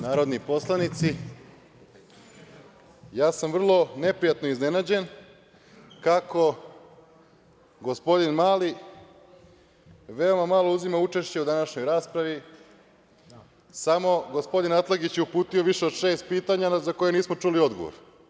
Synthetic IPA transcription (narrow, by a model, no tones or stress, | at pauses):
naːɾo̞d̪nipo̞slˠanit̪si | jaːsamr̩lˠo̞ne̞pɾijat̪noizne̞nad͡ʑe̞n | kakʰo̞ | ɡo̞spo̞d̪inmaːli | ʋe̞omamalˠo̞uzimaut͡ʃe̞ʃt͡ɕe̞ud̪anaʃɲo̞jɾaːspɾaʋi | samo̞ɡo̞spo̞d̪inat̪lˠaɡit͡ɕjeupuːt̪ijoʋiʃeod̪ʃeːst̪̚piːt̪aɲaazako̞jeniːsmo̞t͡ʂulio̞d̪ɡoʋo̰ɾ